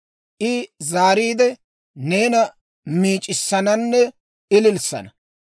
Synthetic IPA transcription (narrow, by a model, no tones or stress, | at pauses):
ʔɪzaːɾiːd̪ɛ | ne̞ːnɐ | miːt͡ʃʼɪsːɐnɐnːɛ | ɪlɪlsɐ̰nɐ